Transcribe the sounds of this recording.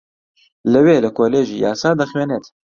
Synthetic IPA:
ləweːləkʰoːleːʒiːja̰ːsaːd̪ɐxweːneːt̪

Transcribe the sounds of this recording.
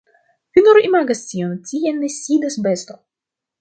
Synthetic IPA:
finuɾoʔimaɡastʲiontʲienesʲid̪asbest̪o

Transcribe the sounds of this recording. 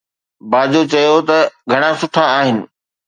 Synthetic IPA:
baːd͡ʑot͡ɕɐjot̪ɐɡʱɐɽ̃ãsʊʈʰaːɦɪnɪ̆

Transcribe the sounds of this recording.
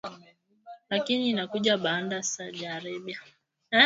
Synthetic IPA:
lakiniːnakuʄaɓandasaʄaɾɛɓia

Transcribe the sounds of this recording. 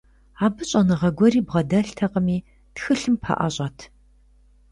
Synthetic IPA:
aːbɨɕʼɐnɨʁɐɡʷɔɾiːbʁɐdɐɬtʰɐqəmiː | txɨɬɨmpʰɐ̰ʔɐ̰ɕʼɐtʰ

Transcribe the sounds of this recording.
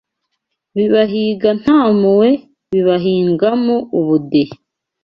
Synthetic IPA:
βiβaɦiɡan̥haːmuwe | βiβaɦiːŋɡamoʔuβudehe

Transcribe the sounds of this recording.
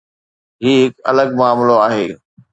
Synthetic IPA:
ɦiːɦɪkɐ̰ləɡmaːmloaːɦeː

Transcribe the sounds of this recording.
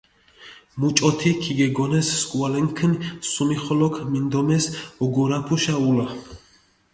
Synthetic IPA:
mut͡ʃʼɔt̪ʰikʰiɡɛɡɔnɛsːkʼuwalɛŋkʰnsumiχɔlɔkʰmind̪ɔmɛsɔɡɔɾapʰuʃaula

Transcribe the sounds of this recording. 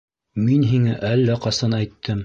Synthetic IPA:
minɦiŋæʔælːæqɑsɑnæjt̪ʰːɘm

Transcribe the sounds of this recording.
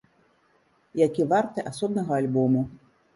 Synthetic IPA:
jakʲivart̪ɨʔasɔbnɐɣɐalʲbɔmu

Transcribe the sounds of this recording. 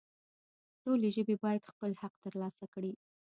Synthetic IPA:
ʈoleʒəbebɑjad̪xpəlhaq̚t̪əɾlɑsakɽi

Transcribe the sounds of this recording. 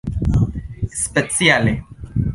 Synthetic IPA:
spet͡siale

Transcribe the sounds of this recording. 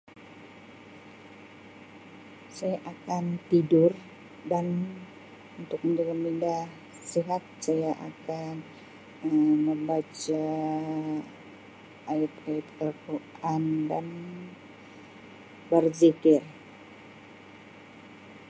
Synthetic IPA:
sajaʔakant̪idʊr | dan | unt̪ʊk̚məɲd͡ʒalamindah | siɦat̪̚sajaʔa̰kan | əməmbat͡ʃa | ʔːat̪ajat̪ɛrkoandan | bərzikɪr

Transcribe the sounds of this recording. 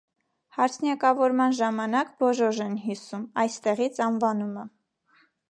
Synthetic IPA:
hɑɾt͡sʰnjɑkɑvɔɾmɑnʒɑmɑnɑkbɔʒɔʒɛnɦisumɑjst̪ɛʁit͡sʰɑnvɑnumə

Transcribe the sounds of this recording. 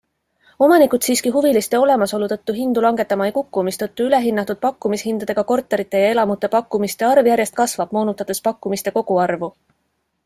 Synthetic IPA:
o̞mɑnikut̪siːskiɦuvilist̪eo̞le̞mɑso̞lut̪ɤ̞t̪ːuɦind̪̥ulɑŋɡ̥e̞t̪ːˑɑmɑejkukːumist̪ɤt̪ːˑuyle̞ɦinːɑt̪ːˑud̪̥̚pɑkːumishind̪̥ɑd̪e̞ɡ̥ɑko̞rt̪ːˑe̞ɾit̪ːˑe̞jɑe̞lɑmut̪ːˑe̞pɑkːumist̪e̞ɑrvjæɾʲje̞st̪̚kɑsvɑb̥mo̞ːnut̪ːˑɑt̪e̞spɑkːˑumist̪e̞ko̞ɡ̥uɑrvu

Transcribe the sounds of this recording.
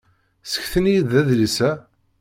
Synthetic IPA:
sə̥çθənijiðæðləsæ

